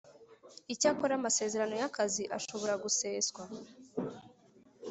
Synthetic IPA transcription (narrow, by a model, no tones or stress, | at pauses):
icakoɾamase̞ːze̞ɾano̞jakaziʔa̰ʃo̞βo̞ɾaɡuse̞ːsɡwa